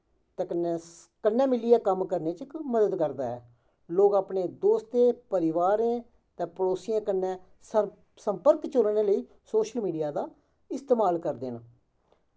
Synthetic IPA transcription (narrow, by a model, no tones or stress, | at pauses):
t̪ɛːkənɛ̃ː | kənːɛ̃ːmɪliɛːkəmkəɾneːt͡ʃəkməd̪əd̪kəɾd̪aːɛː | loːɡaːpneːd̪oːst̪eːpəɾɪʋaːɾẽː | t̪ɛ̃ːpəɾoːsɪjãːkənːɛ̃ː | səmpəɾkt͡ʃoɾneːləiː | soːʃəlmiːɖijaːd̪aː | ɪst̪eːmaːlkəɾd̪eːn